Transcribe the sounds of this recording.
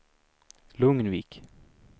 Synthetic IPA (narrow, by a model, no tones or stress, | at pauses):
lɵŋnviːk